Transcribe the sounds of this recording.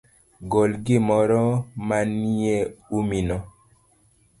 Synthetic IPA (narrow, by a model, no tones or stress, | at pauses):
ɡɔlɡimɔɾɔmanieuminɔ